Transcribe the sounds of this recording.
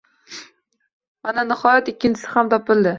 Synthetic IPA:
mananɪhɒjat̪ɪkʲːɪnt͡ʃʰɪsɪhamt̪ʰɒpɪlˠd̪ɪ

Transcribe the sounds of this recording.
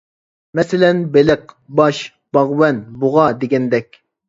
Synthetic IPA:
mɛsɪlɛnbeləq | bɑʃ | b̥ɑʁwɛnbuʁɑd̪eɡʲɛnd̪ɛkʲ

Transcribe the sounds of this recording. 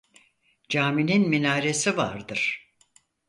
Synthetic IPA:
d͡ʒaːmininminaːɾe̞siva̰ɾd̪ɯɾ̥

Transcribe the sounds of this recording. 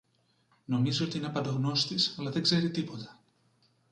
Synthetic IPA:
no̞mizio̞t̪iineɐpɐnd̪oɣno̞st̪isɐlɐðe̞ɡze̞ɾit̪ipo̞t̪ɐ̥

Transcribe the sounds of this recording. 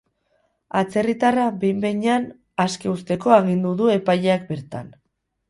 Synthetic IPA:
at͡se̞rit̪arabejmbe̞ɲean | askeust̪e̞ko̞aɣ̞ind̪uðue̞paʎeakbe̞ɾt̪a̰n

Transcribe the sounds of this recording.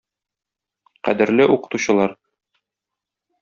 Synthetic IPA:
qæ̰d̪ɘ̆ɾlɘʔuqɤ̥̆t̪uɕɤ̆lˠɑɾ

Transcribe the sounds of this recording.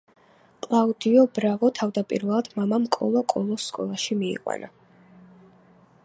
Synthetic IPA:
kʼlˠaud̪iɔbɾavɔt̪ʰavd̪apʼḭɾvɛlˠad̪̥mamamkʼɔ̰lˠɔkʼɔlˠɔsːkʼɔ̰lˠaʃimiḭqʼwa̰na

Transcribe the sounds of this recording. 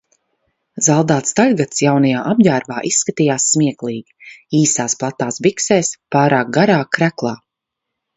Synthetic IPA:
zalˠd̪aːt̪st̪aʎʲɡat̪sjawnajaːʔabjæːɾbaːʔisːkat̪iːjaːsːmiɛklˠiːɡʲiiːsaːsplˠat̪ːaːsbiksɛːspaːɾaːk̚ɡaɾaːkɾæklˠaː

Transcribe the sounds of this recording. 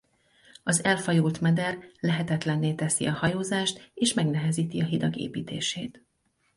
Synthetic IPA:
ɒzɛlfɒjuːlt̪mɛd̪ɛrlɛɦɛt̪ɛt̪lɛnːeːt̪ɛsḭɒhɒjoːzaːʃt̪eːʃmɛɡnɛɦɛziːt̪iɒɦid̪ɒɡḛːpiːt̪ḛːʃeːt̪

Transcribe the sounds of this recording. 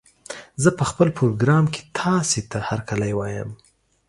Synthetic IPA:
zəpəxpəlpɾoɡɾɑmkʰe̥t̪ʰɑset̪ahaɾkalajwɑjə̰m

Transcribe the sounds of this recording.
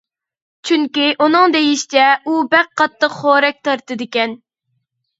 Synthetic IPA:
t͡ʃʰyŋkʲiʔunɨŋd̪ejiʃt͡ʃ̪ɛubæq̚qːɑt̪ʰːəqχoɾɛk̚ʲt̪ʰɑɾt̪ɨd̪ɪkʲɛn

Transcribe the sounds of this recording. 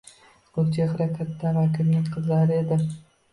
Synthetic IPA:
kʊt͡ʃʰehaɾakʲʰat̪ːavakʰʲɪɾnɪŋqʰɨzlaɾɪed̪ɪ

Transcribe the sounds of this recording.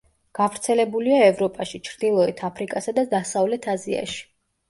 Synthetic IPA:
ɡ̥avɾt̪sʰɛlɛbuliaɛvɾɔpʼaʃit͡ʃʰɾd̪ilˠɔɛt̪ʰapʰɾikʼasad̪ad̪asavlɛt̪ʰazia̰ʃi̥

